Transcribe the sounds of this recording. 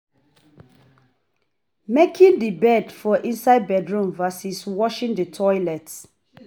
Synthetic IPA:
mekʰĩŋdibɛdfɔʔĩnsaɪd̚bɛdɹũmvasiswɔʃĩŋdətʰɔjlɛt

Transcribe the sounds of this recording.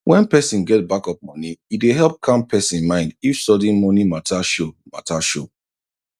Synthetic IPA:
wɛ̃npɛsĩnɡɛt̚bakɔp̚mɔniideɦɛlˠp̚kʰãmpʰɛsĩnnmãɪ̃ndifsɔdĩnmɔnimatʰaʃoma̰taʃo

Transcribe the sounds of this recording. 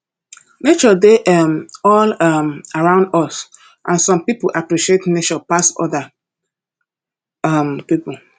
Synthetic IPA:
net͡ʃɔdeʔɔmɔlɔmaɹãʊ̃ndɔs | ʔãnsɔ̃mpipoʔapɹiʃietnet͡ʃɔpasɔ̰ða | ɔmpipu

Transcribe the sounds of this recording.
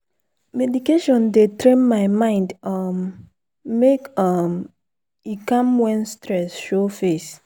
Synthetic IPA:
mɛdikeʃɔ̃ndetɾẽnmaɪmãɪ̃ndʌmː | ekʌm | ikãmwɛ̃nstɹɛsʃofes

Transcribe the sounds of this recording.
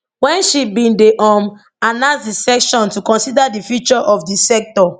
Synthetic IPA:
wɛ̃nʃibĩndeʔɔ̃m | anãsdisɛkʃɔ̃ntukɔ̃nsidadifjut͡ʃɔʔɔfdisɛk̚tɔ

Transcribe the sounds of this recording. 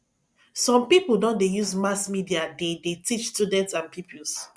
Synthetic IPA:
sɔ̃mpipudɔ̃ndejuzmasmidiadedetit͡ʃstudɛ̃ntsãnpipuls

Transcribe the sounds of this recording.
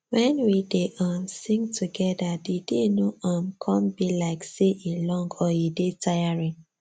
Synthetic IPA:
wɛ̃nwideʔamsĩŋtʰuɡɛdadidenoʔamkʰɔ̃mbilaɪkseʔelɔ̃ŋɡɔidetʰajaɹĩŋ

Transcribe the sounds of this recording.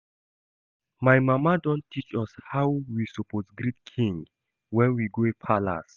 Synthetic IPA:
majmamadɔ̃nttʰːit͡ʃɔshawwisɔpʰɔtɡɹit̚kʰĩŋ | wɛ̃nwiɡoepʰala̰s

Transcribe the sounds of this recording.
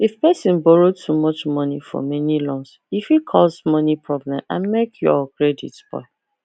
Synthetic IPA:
ifpɛsĩnbɔɹotʰumɔt͡ʃmɔnifɔ̰mɛnilɔ̃ns | ifhikʰɔsmɔnipʰɹɔblɛ̃mã̰nmekʰjuɔkɹedḭtsb̥ɔ̰ɪ

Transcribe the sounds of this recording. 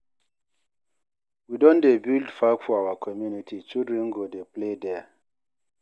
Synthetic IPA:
widɔ̃ndebildfakfɔawakʰɔmjunitʰit͡ʃidɹɛ̃nɡodepledɛ

